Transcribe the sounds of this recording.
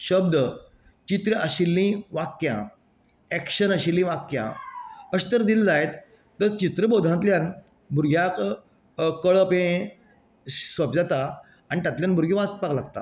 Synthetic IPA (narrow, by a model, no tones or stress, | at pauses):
ɕəb̚d̪ə | t͡ɕit̪ɾəaɕilːĩʋakjã̰ | ɛkɕənəɕilːĩʋakjã̰əɕt̪əɾd̪ild͡zaet̪ː | əɾt͡ɕit̪ɾəbod̪ʱãt̪ljãn | bʱuɾɡʱjak | kəɭəpẽ | sʋəpd͡zat̪a | añit̪jat̪ljanbʱuɾɡẽʋast̪̚paklaɡ̚t̪a̰